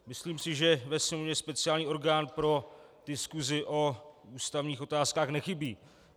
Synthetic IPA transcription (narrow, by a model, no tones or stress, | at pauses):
mɪsliːmsɪʒɛvɛsmovɲɛspɛt͡sɪaːlɲiːʔo̞ɾɡaːnpɾo̞d̥ɪskuzɪʔo̞uːst̪avɲiːxʔo̞t̪aːskaːxnɛxɪbiː